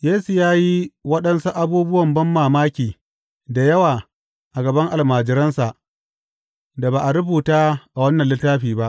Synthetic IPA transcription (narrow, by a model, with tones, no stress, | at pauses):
jeː˦su˨jaː˦ji˦wɐ˦ɗɐ˦nsu˦ʔa˦buː˦bʊ˦wɐ˨mbɐ˦mːaː˨maː˦kʲiː˨ | da˨jɐ˦waː˨ | ʔa˨ɡɐ˨bɐ˦ŋʔa˨lmaː˨d͡ʒɪ˨ɾɐ˦nsa˨ʔ | da˨baː˨ʔa˨ɾʊ˦buː˨taː˦ʔa˨wɐ˦nːɐ˨lɪ˦tːaː˦ɸiː˨ba˦ʔ